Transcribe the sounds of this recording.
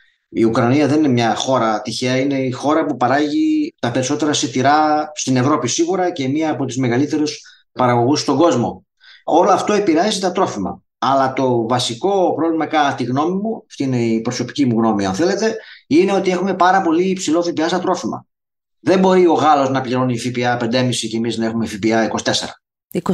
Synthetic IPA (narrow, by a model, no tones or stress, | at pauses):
iukɾɐniɐðe̞ninemɲɐxo̞ɾɐt̪içe̞ɐine̞ixo̞ɾɐpupɐɾɐʝit̪ɐpe̞ɾiso̞t̪eɾɐsit̪iɾɐst̪ine̞vɾo̞pisiɣuɾɐce̞miɐːpo̞t̪uzme̞ɣɐlit̪e̞ɾus | pɐɾɐɣo̞ɣust̪o̞ɡo̞zmo̞̰ | o̞loɐft̪o̞epiɾeɐzit̪ɐt̪ɾo̞fimɐ̰ | ɐlɐt̪o̞vɐsiko̞pɾovlimɐkɐt̪iɣno̞mimuɐft̪iine̞ipɾo̞so̞pi̥cimuɣno̞miɐ̰nθele̞t̪e̞ine̞o̞t̪ie̞xume̞pɐɾɐpo̞liːpsilo̞fipiɐst̪ɐt̪ɾo̞fimɐ̰ | ðe̞mbo̞ɾio̞ɣɐlo̞znɐpʎiɾo̞nifipiɐpe̞nd̪emisicemiznɐexume̞fipiɐiko̞si̥t̪e̞se̞̰ɾɐ̰ | i